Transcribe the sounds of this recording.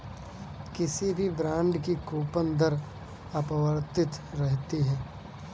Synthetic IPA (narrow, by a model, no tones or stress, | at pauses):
kɪsibʱibɾãːɳɖkikoːpənd̪əɾ | ɐpəʋəɾt̪ɪt̪ɾɛɦt̪iɦɛː